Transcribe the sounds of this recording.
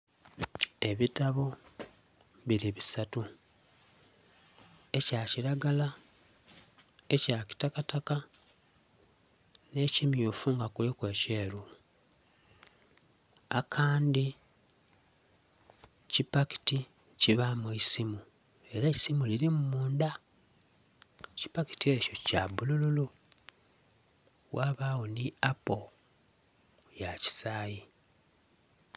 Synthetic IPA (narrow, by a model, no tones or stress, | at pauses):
e̞βitaβo̞ | βiɾiβisatu | e̞caːciɾaɡala | ecaci̥takataka | ne̞cimjoːfuŋɡakulikwe̞ːce̞ːɾu | akʰaːndi | cipaki̥ti | ciβamuisimu | e̞ɾaisimuliɾimumuːnda | ci̥paki̥tie̞co̞cabulululu | waːβaːwoniapo̞ | jaci̥saːji